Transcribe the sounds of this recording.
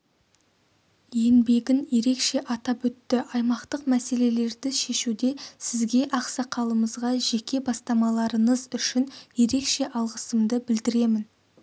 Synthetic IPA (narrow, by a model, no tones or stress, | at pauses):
je̞nbe̞ɡʲɪnje̞ɾe̞kʃe̞ʔɑt̪ɑpɵt̪ːɪʔɑjmɑqt̪əqmæse̞le̞le̞ɾd̪ɪʃe̞ʃud̪e̞sɪzɡʲe̞ʔɑqsɑqʰɑlˠəməzʁɑʒe̞kʲe̞bɑst̪ɑmɑlˠɑɾəɴəzʏʃɪnje̞ɾe̞kʃe̞ʔɑlˠʁəsəmd̪əbɪld̪ɪɾe̞mɪn